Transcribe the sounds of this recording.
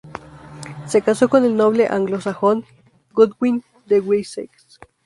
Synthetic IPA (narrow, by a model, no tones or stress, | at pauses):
sekasokonelnoβleʔa̰ŋɡlosaxon | ɡud̪win | d̪ewisḛks